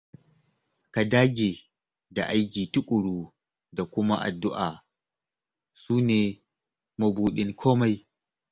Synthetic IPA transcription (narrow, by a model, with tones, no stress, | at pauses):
ka˨daː˦ɡʲe˨ | da˨ʔa˦jkʲiː˨tʊ˦kʷʼʊ˨ɽuː˦ | da˨kʷʊ˦ma̰˦ʔa̰˨dːʊ˦ʔaː˨ | suː˦neː˨ | mʊ˨buː˨ɗɪ˦ŋkʰoː˦ma˦j